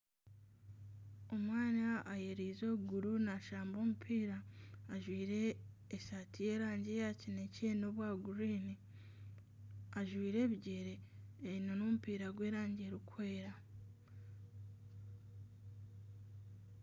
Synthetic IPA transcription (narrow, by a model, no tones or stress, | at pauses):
o̞mwaːnaːjeɾiːzo̞ɡuɾunaʃaːmbo̞ːmupʰiːɾaːʒwiːɾe̞ː | satije̞ːɾaːɲɟe̞jacinece̞no̞βwaːɡuɾiːni | aʒwiːɾe̞ːβiɟeɾeːinonomupiːɾaɡwe̞ːɾaːɲɟe̞ɾikwe̞ːɾa